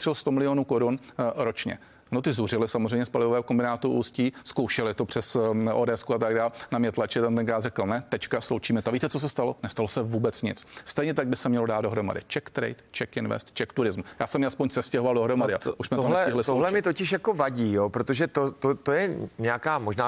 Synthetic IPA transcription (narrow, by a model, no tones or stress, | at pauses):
ɪlst̪omɪlɪjonuːkoɾunɾo̞t͡ʃɲɛ̰ | not̪ɪzurɪlɪsamor̝ɛjmɲɛspalɪvovɛːɦokombɪnaːt̪uʔuːsciːskowʃɛlɪt̪o̞pr̝̥ɛso̰dɛskuat̪aɡ̚daːlnamɲɛt̪lat͡ʃɪt̪ant̪ɛnkɾaːrɛkl̩nɛt̪ɛt͡ʃkaslowt͡ʃiːmɛt̪oviːt̪ɛt͡sos̬ɛst̪alo̞nɛst̪alo̞sɛvuːbɛt͡sɲɪ̰t͡sst̪ɛjɲɛt̪aɡ̚bɪsɛmɲɛlodaːd̪do̞ɦɾo̞ma̰dɪ̰t͡ʃɛkt̪ɾɛ̰jt̪t͡ʃɛkɪnvɛ̰st̪t͡ʃɛkt̪uɾɪzmujaːsɛmjaspo̞ɲsɛscɛɦvaldo̞ɦɾo̞madɪaʔuʃsmɛt̪olɛsɪɦlɪst̪oɦlɛmɪt̪ocɪʃjakovaɟiːjopɾot̪oʒɛt̪ot̪ot̪ojɛɲɛakaːmoʒnaː